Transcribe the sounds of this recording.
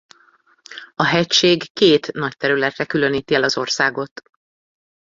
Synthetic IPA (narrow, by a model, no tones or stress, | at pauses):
ɒɦɛcʃeːɡːkeːt̪nɒct̪ɛɾylɛt̪rɛkylø̞niːt̪iɛlɒzo̞rsaːɡo̞t̪